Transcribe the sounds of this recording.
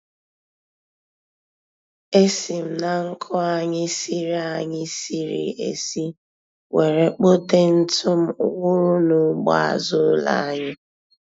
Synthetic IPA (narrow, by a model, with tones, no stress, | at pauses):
e˦si˨m̩˨na˨ŋ̩˦kʰɔ˦a˨ɲɪ˦si˦ɾi˦a˨ɲɪ˦si˦ɾḭ˨ḛ˨si˦ | we˨ɾe˨k͡po˦de˦n̩˦tʰʊ˦m̩˦ʊ˦kʷʊ˦ɾʊ˦nʊ˨˦ɡ͡ba̰˨a̰˨zʊ˦la̰˨˦ɲɪ˦